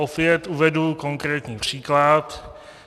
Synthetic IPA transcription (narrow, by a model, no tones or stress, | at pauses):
ofɪɛt̪uvɛduko̞ŋkɾɛːt̪ɲiːpr̝̥iːklat̪